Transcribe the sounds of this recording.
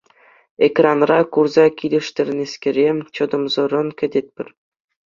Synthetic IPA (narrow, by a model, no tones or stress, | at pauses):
ekrɑnrɑkurzɑkʲilʲɘ̆ʂt̪ʲɘ̆rʲnʲeskʲĕɾʲet͡ɕɤ̆d̪ɤ̆mzɤ̆rɤ̆nkʲɘ̆dʲet̪̚ʲpʲɘ̆rʲ